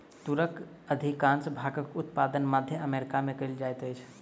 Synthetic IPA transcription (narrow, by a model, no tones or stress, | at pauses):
t̪uɾək | əd̪ʱikansəbʱaːɡəkʊt̪pad̪ənməd̪ʱjəəmeɾɪkamẽkəɪld͡ʒajt̪əjt͡ʃʰ